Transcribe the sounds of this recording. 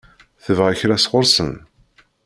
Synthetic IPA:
θəvʁaçɾæsʁʊɾsə̰n

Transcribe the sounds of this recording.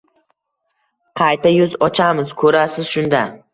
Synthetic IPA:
qʰɑjt̪ʰajʊzɒt͡ʃʰamɪzkʰɵɾasɪz̥ʃʊnd̪a

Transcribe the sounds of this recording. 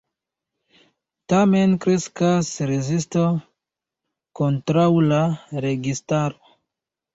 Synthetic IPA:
tame̞nkɾeskasɾezisto | kontɾawlaɾe̞ɡistaɾo

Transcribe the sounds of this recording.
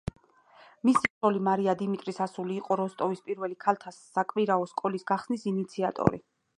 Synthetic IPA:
misitɔlimaɾiad̪imit̪ʼɾisasuliːqʼɔɾɔst̪ʼɔvispʼiɾvɛlikʰalˠt̪ʰasːakʼviɾaɔskʼɔlisɡaχsnisinit̪sʰiat̪ʼɔ̰ɾḭ

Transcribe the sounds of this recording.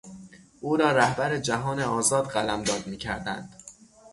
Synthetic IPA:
ʔuːɾɒːɾæhbæɾed͡ʒæɦɒːneɒːzɒːd̪ɢælæmd̪ɒːd̪miːcʰæɾd̪æ̰nd̪̥

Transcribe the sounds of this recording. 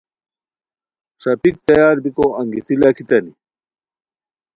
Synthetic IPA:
ʂɐpik̚t̪ɐjaːɾbikoɐŋɡit̪ʰilɐkʰit̪ɐni

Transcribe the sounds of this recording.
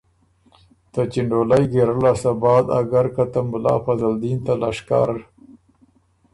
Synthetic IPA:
t̪at͡ʃiɳɖolajɡeɾəlasabɑːd̪a̰ɡaɾkat̪amblɑ̰ːfazald̪int̪alɑʂkɑ̰ːɾ

